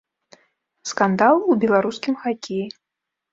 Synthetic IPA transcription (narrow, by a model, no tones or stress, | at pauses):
skand̪alˠubʲɛlˠaɾuskʲimxakʲʰeji